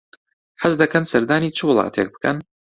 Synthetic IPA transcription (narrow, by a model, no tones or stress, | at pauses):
ħəzd̪ɐkʰɐnsɐɾd̪aːniːt͡ʃʰɨwʊlˠɑ̰ːt̪ʰḛk̚bɨ̥kʰɐ̰n